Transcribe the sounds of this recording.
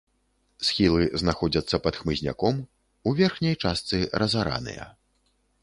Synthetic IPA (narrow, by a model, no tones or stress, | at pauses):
sxʲilˠɨznaxɔd͡zʲɐt̪sːɐpɐt̪xmɨzʲnʲa̰kɔm | uvʲɛrxnʲɐjt͡ʂast̪sɨɾɐzaɾa̰nɨ̰jɐ̰